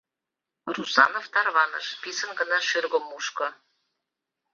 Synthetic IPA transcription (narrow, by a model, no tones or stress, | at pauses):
rusɑ̰noft̪ɑrβɑnɤ̰ʃpʲisə̆nɡɤ̆nɑʃyrɣŏmuʃkɤ̆